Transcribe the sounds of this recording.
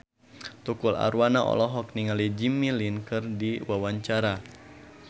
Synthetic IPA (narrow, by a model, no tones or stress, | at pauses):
t̪ukula̰ɾwanaʔɔ̰lɔɦɔk̚niŋalid͡ʒimilinkɨrdiwawaɲt͡ʃaɾa